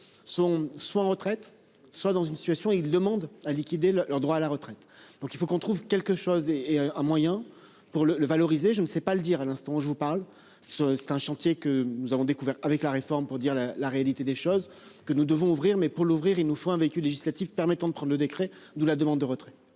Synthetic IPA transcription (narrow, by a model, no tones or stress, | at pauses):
sɔ̃swaɑ̃ʁət̪χɛt̪ | swad̪ɑ̃zynsi̥t̪ɥasjɔ̃ild̪əmɑ̃d̪alikʲid̪ellœʁd̪ʁwaːlaʁət̪χɛt̪d̪̥ɔ̃kilfokɔ̃t̪χuvkʲɛlkəʃozeeɛ̃mwajɛ̃ | puʁlələvalɔʁizeʒənəsɛpaləd̪iʁalɛ̃st̪ɑ̃ʒəvupaʁl | ssɛ̥t̪ɛ̃ʃɑ̃t̪jekənuzavɔ̃d̪ekuvɛʁavɛklaʁefɔʁmpuʁd̪iʁlalaʁealit̪ed̪eʃoz | kənud̪əvɔ̃uvʁiʁmɛpuʁluvʁiʁilnufõɛ̃veikʲylːeʒislat̪ifpɛʁmɛt̪ɑ̃d̪əpχɑ̃d̪ʁləd̪ekχɛ | d̪ulad̪əmɑ̃d̪ːəʁət̪χɛ̥